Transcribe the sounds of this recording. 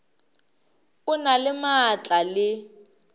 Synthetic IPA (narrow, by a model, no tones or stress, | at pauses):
ʊnalɪmat͡ɬʼalɪ